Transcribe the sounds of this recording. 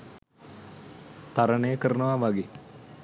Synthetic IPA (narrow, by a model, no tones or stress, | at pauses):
t̪aɾənəjəkəɾənəʋaʋaɡe